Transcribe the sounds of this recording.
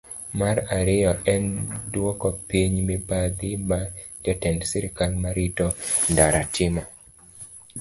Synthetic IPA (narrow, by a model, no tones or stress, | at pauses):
maraɾɪjɔɛndwɔkɔpiɲmibad̪ɪmatɛtɛndsiɾɪkalmaɾitɔndaɾatʰɪma